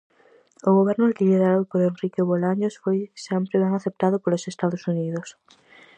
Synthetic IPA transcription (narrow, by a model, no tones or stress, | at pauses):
ʊɣoβ̞ɛɾnʊɪkɪʎeðaɾowpoɾenrikoβolaɲosfojsɛmpɾeβɛŋaθep̚t̪aðopolosest̪aðosuniðos